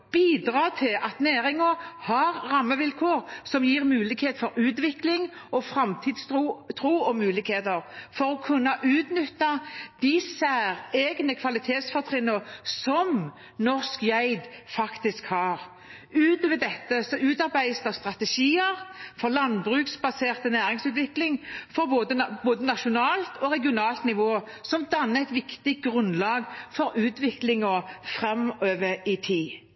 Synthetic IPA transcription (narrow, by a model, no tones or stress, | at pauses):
b̥iːd̪ɾɑːt̪ʰɪlʔɑt̪næːɾɪŋəhɑɾɾɑmːəʋɪlkʰoːʁsɔmjiːʁmʉːlɪkheːt̪fɔɾʉːt̪ʋɪklɪŋ | ɔfɾɑmt̪ʰiːd̪st̪uːt̪ʰɾuːɔmʉːlɪkheːt̪əɾfɔɾɔkʰʉnːɑʔʉːt̪nʏt̪ːɑd̪̥ɪsæːɾeːɡnəkʰʋɑlɪt̪ʰeːt̪sfɔt̪ʰʁɪnːəsɔm | nɔʁskjæɪd̪fɑkt̪ɪskhɑːʁ | ʉːt̪ɔʋɛd̪ɛt̪ːəsɔʉːt̪ɑʁbæɪst̪ɑst̪ʁɑt̪ɛʃiːəʁfɔʁlɑnbɾʉːksbɑseːʁt̪ənæːɾɪŋsʉːt̪ʋɪklɪŋfɔɾboːd̪əboːd̪ənɑʃʊnɑːlt̪ɔʁɛɡɪʊnɑːlt̪nɪʋoː | sɔmd̪ɑnːəæɪt̪ʋɪkt̪ɪɡʁʉnlɑːɡfɔɾʉːt̪ʋɪklɪŋɔfʁɛmøːʋəɪt̪ʰiː